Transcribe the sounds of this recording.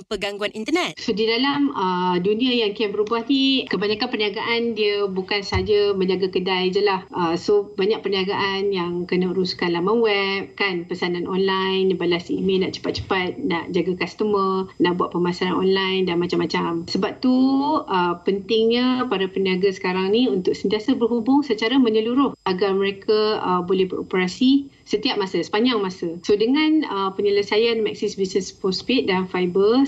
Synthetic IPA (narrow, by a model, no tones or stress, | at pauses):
pəɡaŋɡuanint̪ənɛt̪sodidalaməduniajaŋkiambəɾubahnikəbaɲakanpərniaɡaʔandiəbukansəɦad͡ʒaməɲd͡ʒaɡakədajd͡ʒəlahʔəsobaɲaʔ̚pərniaɡaʔanjaŋkənəəɾuskanlamawɛp̚kanpəsananʔonlajnbalasimelnaʔt͡ʃə̥pat̪̚t͡ʃə̥pat̪̚naʔd͡ʒaɡakast̪əmənaʔbuaʔ̪̚pəmasaɾanɔ̰nlajndanmat͡ʃamːat͡ʃamsəbap̚t̪uəpənt̪ɪŋɲəpaɾapəniaɡasə̥kaɾaŋniunt̪ʊk̚sənt̪iasabərɦubʊŋsət͡ʃaɾaməɲəluɾʊhʔaɡarməɾekaəbolɛhbəɾo̰pəɾasi | sət̪iap̚masasə̥paɲaŋmasəsodəŋanəpəɲələsajanmɛk̚sisbisnəspɔspit̪̚danfajbə